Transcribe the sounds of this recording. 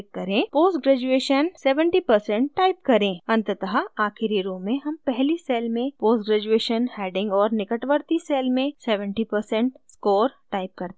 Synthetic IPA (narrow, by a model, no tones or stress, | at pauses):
kkːɐɾẽpoːsʈɡɾɛːd͡ʒueːʃənsɛːʋə̃ɳʈipɐɾsɛ̃ɳʈ̚ːaːɪp̚kɐɾẽːɐ̃nt̪t̪əɦaaːxɪɾiɾõːmːẽɦɐmpɛɦliseːlmẽpoːsʈɡɾɛːd͡ʒueːʃənhɛːɖɪ̃ŋɡɔːɾnɪkəʈʋəɾt̪iseːlmẽsɛːʋə̃ɳʈipəɾsɛ̃ɳʈskɔːɾʈaːɪp̚kɐɾt̪